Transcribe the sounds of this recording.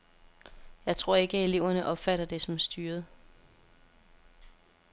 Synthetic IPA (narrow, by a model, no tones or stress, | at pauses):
jɑ̈ɪt͡sʰʁo̝ɐ̰e̝ɡ̥əe̝le̝ʊ̰ɐnəʔɒ̽b̥fæɾ̥ɐd̥e̝sɒ̽msd̥yːɐð̩ˠ